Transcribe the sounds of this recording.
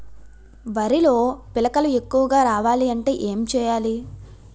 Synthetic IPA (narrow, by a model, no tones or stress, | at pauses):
ʋɐɾilo̞ːpilɐkɐlue̞kːuʋɐɡaːɾaːʋaːliɐɳʈe̞ːʔeːmt͡ʃɛːjaːli